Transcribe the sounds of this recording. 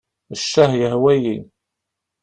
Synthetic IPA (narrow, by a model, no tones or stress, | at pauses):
əʃːæhjəhwæjin